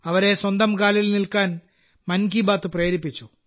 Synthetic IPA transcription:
ɐʋɐɾe̞swɐnd̪ɐmkaːlilnilkaːn | mɐnɡiːbaːt̪ːɨpreːɾipːit͡ɕːu

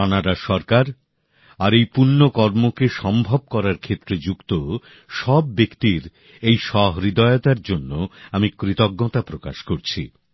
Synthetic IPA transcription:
anaɾaʃɔɾkaɾ | aɾejpuɾnokɔɾmokeʃɔmbʱob̚kɔɾaɾkʰet̪ːɾed͡ʑukt̪o | ʃɔbːekt̪iɾ | ejʃɔɦɾid̪aeot̪aɾd͡ʑonːoamikɾit̪oɡːot̪apɾokaʃkoɾt͡ɕʰi

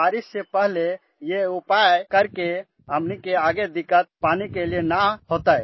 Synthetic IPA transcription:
aɾisːepəɦle | jeupajkəɾke | ɦəmnikeaɡed̪ikət̪̚panikelijenaɦot̪əj

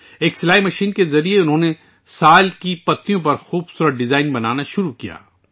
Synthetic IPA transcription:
eːksɪlaːimɐʃiːnkezɐɾieʊnɦõːne | saːlkipɐt̪ːijõp̬ɐɾxuːbsuːɾət̪̚ɖɪzaːɪnbɐnaːnaʃʊɾukija̰ː

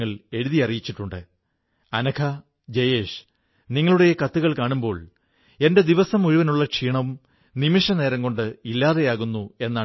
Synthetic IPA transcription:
ɐɭe̞ɻuðiɐrijit͡ɕːiʈːuɳɖɨ | ɐnɐkʰɐ | d͡ʑejeːʂ | niŋːɐɭuɽe̞jekɐt̪ːuɣɐɭkaːɳumbo̞̰ːɭ | e̞nde̞d̪iʋɐsɐmuɻiʋɐnuɭːɐkʂiːɳɐʋum | nimiʂɐne̞ːɾɐŋɡo̞ɳɖɨilːaːðe̞jaːɣunːue̞nːaː

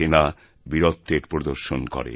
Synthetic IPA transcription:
ena | biɾot̪ːeɾpɾod̪oɾʃonkɔ̰ɾḛ

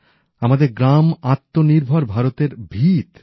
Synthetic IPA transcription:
amad̪eɾɡɾamat̪ːoniɾbʱoɾbʱaɾot̪eɾbʱit̪

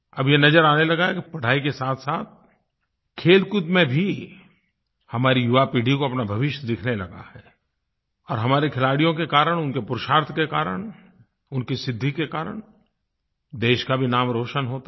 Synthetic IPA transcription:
ɐbjenɐd͡ʒəɾaːnelɐɡaɦɛkipɐɽ̤aːikesaːt̪ʰsaːt̪̚ | kʰeːlkʊt̪mẽbʱi | hɐmaːɾijʊʋapiːɖ̤ʱikoɐpnabʱɐʋɪʃd̪ɪkʰnelɐɡa̰hɛː | ɔːɾɦɐmaːɾekʰɪlaːɽijõkekaːɾəɽ̃ʊnkepʊɾʃaːɾt̪ʰkekaːɾə̰ɽ̃ | ʊnkisɪd̪ʱːikekaːɾə̰ɽ̃ | d̪eːʃkabʱinaːmɾoːʃənɦoːt̪

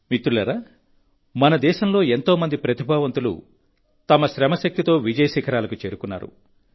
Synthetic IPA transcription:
mit̪ːɾulɐɾaː | mɐnɐd̪ɛːʃɐmlo̞ːe̞nt̪o̞ːmɐnd̪ipɾɐt̪ibʱaːʋɐnt̪ulṵ | t̪ɐmɐʃɾɛmɐʃɐk̚t̪it̪o̞ːʋid͡ʒɐjɐʃikʰɐɾaːlɐkut͡ʃe̞ːɾukunːa̰ːɾṵ

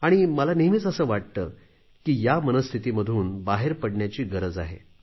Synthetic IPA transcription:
aɽ̃iməlaniɦmit͡səsəːʋaʈ̚t̪əː | kiːjamənəst̪ʰit̪iːməd̪ʱuːnbaɦeɾpəɽɳjat͡ɕiːɡəɾəd͡zaɦḛ

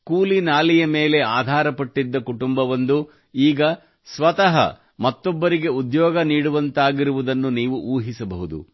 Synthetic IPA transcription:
kuːlinaːlijɐmeːle̞aːd̪ʱaːɾɐpɐʈːid̪ːɐkuʈumbɐʋɐnd̪u | iːɡɐ | sʋɐt̪ɐɦɐ̰ | mɐt̪ːɔbːɐɾiɡe̞ud̪jɔːɡɐniːɽuʋɐnt̪aːɡiɾuʋud̪ɐnːuniːʋuʔuːɦisɐbɐɦud̪ṵ

